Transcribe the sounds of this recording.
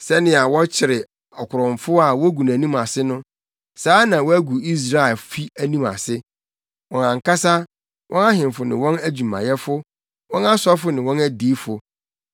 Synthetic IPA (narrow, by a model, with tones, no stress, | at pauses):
sɛ˦nɪ̃˦a˨wɔ̃˦t͡ɕʰɪ˨ɾɪ˨ | ɔ˨kʰʊ˨ɾɔ̃˨m˨fʊ˦a˨wɔ˦ɡu˨n˨æ˨nĩ˦ma˨sɪ˦nʊ̃˦ | saː˨˦nã˨wɔ˦æ˦ɡu˨i˦s̬ɾa˦ɪ˨fi˦æ˦nĩ˦ma̰˨sɪ˦ | wɔ̃˨nã˨ŋka˦sa˦ | wʔɔ̃˦na˦ɦɪ̃˨mfʊ˨nɪ̃˨wɔ̃˦næ˦d͡ʑu˨mã̰˨jɛ˦fʊ˦ | wɔ̃˦na˦sɔ˦fʊ˨˦nɪ̃˨wɔ̃˦næ˦diː˨˦fʊ˨